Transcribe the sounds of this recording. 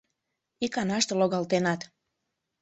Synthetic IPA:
ikɑnɑʃt̪oloɣɑlt̪enɑt̪

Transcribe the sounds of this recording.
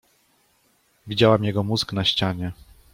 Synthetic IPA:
vʲid͡ʑawamjɛɡɔmuzknaɕt͡ɕaɲɛ

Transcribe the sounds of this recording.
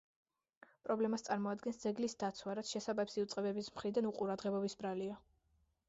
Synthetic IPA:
pʼɾɔblɛmast̪sʼaɾmɔad̪ɡɛnsd̪zɛɡlisd̪at̪sʰwaɾat̪sʰʃɛsabapsiut̪sʼqʼɛbɛbismχɾid̪anuqʼuɾad̪ʁɛbɔbisbɾalia

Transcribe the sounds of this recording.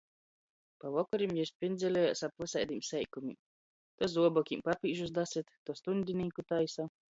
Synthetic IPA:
pavɔkɔɾʲimjist̪ʲpʲind̪zʲɛlʲɛjasapvɨsajd̪imsʲɛjkumʲḭm | t̪ɔzuɔbɔkʲimpapʲiːʒusd̪asʲit̪ːust̪unʲd̪ʲinʲiːkut̪ajsa

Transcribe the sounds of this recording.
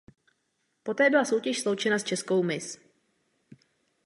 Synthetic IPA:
po̞t̪ɛːbɪlaso̞wcɛʃslo̞wt͡ʃɛnast͡ʃɛsko̞wmɪs

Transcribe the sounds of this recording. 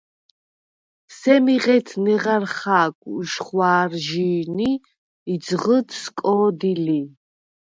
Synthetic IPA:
sɛmiʁɛt̪ʰnɛʁaɾχaːɡʼuʃχwaːrʒiːniː | dzʁət̪ʰskʼɔːd̪ili

